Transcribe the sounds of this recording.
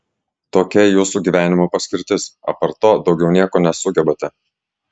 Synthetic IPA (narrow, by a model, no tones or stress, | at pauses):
t̪oːkʲɛjuːsuːɡʲiːʋʲæːnʲɪmoːpɐsʲkʲɪɾʲt̪ʲɪsɐ̰pɐɾt̪oːd̪ɒʊɡʲɛʊnʲiɛkoːnʲɛsʊɡʲɛbɐt̪ʲɛ